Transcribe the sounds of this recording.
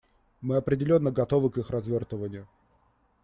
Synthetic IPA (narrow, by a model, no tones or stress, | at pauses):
mɨɐpɾʲɪdʲɪlʲo̞nːəɡɐt̪o̞vɨkixrɐzvʲort̪əvənʲɪjʊ